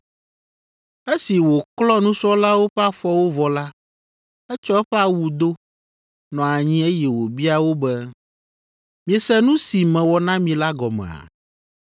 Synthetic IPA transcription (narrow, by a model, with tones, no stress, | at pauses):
e˦si˨wo˨klɔ˦nũ˦sɔ˦la˦wo˦ɸɛ˦a˦fɔ˦wo˦vɔ˨la˦ | ɛ˦t͡ʃɔ˦ɛ˦ɸɛ˦a˦wu˨d̪o˦ | nɔ̃˨a˨ɲĩ˦e˦jɛ˨wo˨bi˦a˨wo˦bɛ˦ | mĩ˦ɛ˨sɛ˦nũ˦si˨mɛ̃˨wɔ˨nã˦mĩ˨la˦ɡɔ˨mɛ̰̃˨a̰˨